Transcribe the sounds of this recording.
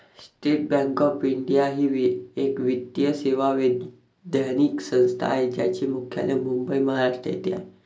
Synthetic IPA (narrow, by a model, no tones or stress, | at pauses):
sʈeʈ̚bɛ̃ŋkɔpiɳɖijaɦiːʋekʋid̪jəseʋaʋe | d̪əniksə̃w̃st̪ʰa̰ːɦed͡ʑa̰t͡ɕimukʰja̰lemumbəiməɦaɾaʂʈɾə̰jḛt̪ia̰e